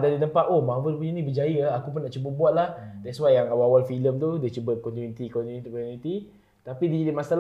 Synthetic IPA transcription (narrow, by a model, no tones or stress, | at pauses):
dadit̪əmpat̪omavəlpuɲənĩbəd͡ʒajəakup̬ʊnaʔt͡ʃubət̚buat̪̚lahdasuwajaŋawawalfiləmt̪udiət͡ʃubət̪̚kɔnt̪unit̪ikɔnt̪unit̪kɔunit̪i | t̪apidiəd͡ʒadimasal